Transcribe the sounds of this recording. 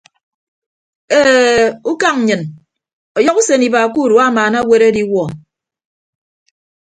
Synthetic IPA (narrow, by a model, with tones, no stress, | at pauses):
e˦u˦ka˦ŋ˨ɲɨ˨n | ɔ˨jɔ˦ku˦se˨ni˨ba˨ku˦˨ɾu˨˦a˦˨maː˨na˦we˦ɾe˦di˦wɔ˨